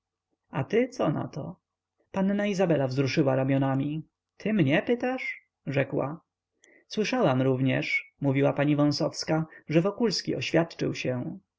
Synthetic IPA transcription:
at̪ɪt̪sɔna̰t̪ɔ̰ | panːaizabɛlavzɾuʂɘwaɾamʲjɔnamʲi | t̪ʰɘmɲɛpɘt̪aʂ | ʐɛkwa̰ | swɘʂawamɾuvɲɛ̰ʂmuvʲiwapaɲivɔ̃w̃sɔfskaʐɛvɔkulskʲiɔɕfʲjat̪t͡ʂɘ̰wɕɛ

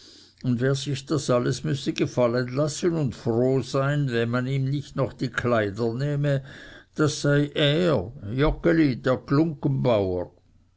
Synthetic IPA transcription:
ʊndveːɐzɪçd̥asaləsmʏsəɡ̥efalənlasənʊntfʁoːzaɪnvɛnmaniːmnɪçtnɔχd̥iːkʰlaɪdɐnɛːməd̥asːaɪʔeːjɔkəlideːɐklʊŋkənbaʊə

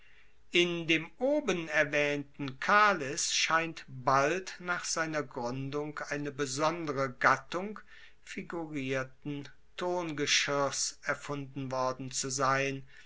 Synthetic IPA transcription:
ʔɪndeːmʔoːbənɛɐvɛːntn̩kʰaːlɪsʃaɪntbaltnaːχz̥aɪnɐɡʁʏndʊŋkʔaɪnəbəzɔndəʁəɡatʊŋk | fiɡuʁiːɐtn̩ | tʰoːnɡəʃʏsɛɐfʊndn̩vɔɐdn̩t͡suzaɪn

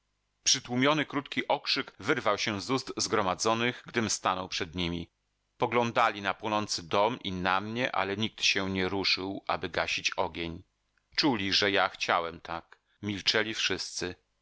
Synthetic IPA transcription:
pʂɘt̪wumʲjɔnɘkɾut̪kʲiʔɔkʂɘkvɘɾvawɕɛzuzt̪zɡɾɔmad̪zɔnɘɣɡd̪ɘmst̪anɔwpʂɛd̪ɲimʲi | pɔɡlɔnd̪alʲinapwɔnɔnt̪sɘd̪ɔmʔinamɲɛʔa̰lɛɲik̚t̪ɕɛɲɛɾuʂɘwʔa̰bɘɡaɕit͡ɕɔɡʲeɲ | t͡ʂulʲiʐɛjaxt͡ɕawɛmt̪ʰak | mʲilt͡ʂɛlʲifʂɘst̪sɘ

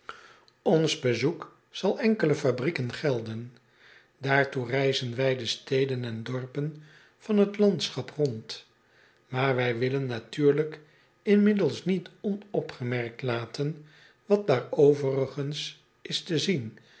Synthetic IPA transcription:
ɔnzbəzuk | z̥ɑlˠɛŋkələfabrikənχɛlˠdən | daːɹturɛjzənʋɛjdəstejdənɛndɔɹpən | v̥ɑnɦətlɑntsχɑprɔnt | maːɹʋɛjʋɪlənːatyːɹlək | ɪnmɪdəlˠsnitɔnɔpχəmɛrk̚tlaːtən | ʋɑt̚daːɹowvərəχəns | ʔɪstəzin

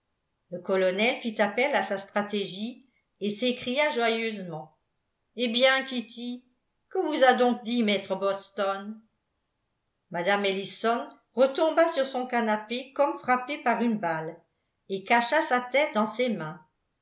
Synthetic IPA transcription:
ləkɔlɔnɛlfit̪apɛlasast̪χat̪eʒi | esekχijaʒwajøzmɑ̃ | ebjɛ̃kʲit̪ʰi | kəvuzad̪ɔ̃k̚d̪imɛt̪χəbɔst̪ɔn | mad̪amelisɔn | ʁət̪ɔ̃basyʁsɔ̃kanapekɔmfχapepaʁynbal | ekaʃasat̪ɛt̪̚d̪ɑ̃semɛ̃

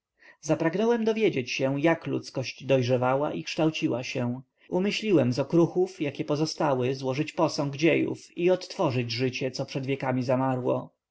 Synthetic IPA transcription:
zapɾaɡnɔwɛmd̪ɔvʲjed͡ʑet͡ɕɕɛjaklṵt̪skɔɕd͡ʑd̪ɔjʐɛvawaʔikʂt̪awt͡ɕiwaɕɛ̃ | umɘɕlʲiwɛmzɔkɾuxufjakʲɛpɔzɔst̪awɘzwɔʐɘt͡ɕpɔsɔŋɡd͡ʑejṵfiɔt̪ːfɔʐɘd͡ʑʐɘt͡ɕɛt̪sɔpʂɛd̪vʲjɛkamʲizamaɾwɔ̰

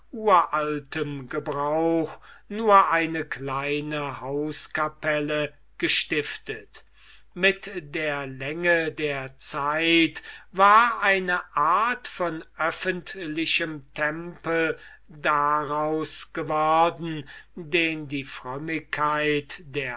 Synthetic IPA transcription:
uːɐʔaltəmɡəbʁaʊxnuːɐʔaɪnəklaɪnəhaʊskapɛlə | ɡ̥əʃtɪftət | mɪtdeːɐlɛŋədeːɐt͡saɪtvaːɐʔaɪnəʔaɐtfɔnʔœfəntlɪʃəmtʰɛmpl̩ | daʁaʊsɡ̥əvɔɐdn̩deːndiːfʁ̥œmɪkʰːaɪtd̥eːɐ

